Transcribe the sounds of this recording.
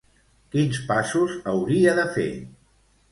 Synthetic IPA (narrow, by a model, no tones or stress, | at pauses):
kinspasuzəwɾiəðəfḛ